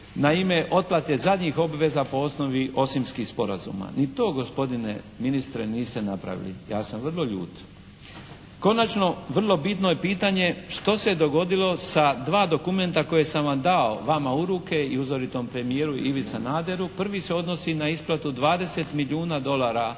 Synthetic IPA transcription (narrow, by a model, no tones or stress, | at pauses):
naime̞ʔo̞t̪̚plˠat̪jezad̪ɲixo̞bʋe̞zapo̞o̞sno̞ʋiʔo̞simskixspo̞ɾazṵːma̰nit̪o̞ːɡo̞spo̞d̪inḛ | minist̪ɾeniːst̪e̞napɾa̰ʋḭlḭjaːsamʋər̩lˠo̞ʎṵːt̪ | ko̞nat͡ʃno̞ʋr̩lˠo̞bit̪noje̞piːt̪aɲe̞ʃt̪o̞sed̪o̞ɡo̞d̪ilˠo̞sad̪ʋaːd̪o̞kume̞nt̪ako̞jesamʋamd̪aoʋamauɾuke̞iuzo̞ɾit̪o̞mpɾe̞mijeːɾuiʋit̪sanaːd̪e̞ɾupr̩ʋise̞o̞d̪no̞sinaisplˠat̪ud̪ʋaːd̪e̞se̞t̪miliuːnad̪o̞laːɾa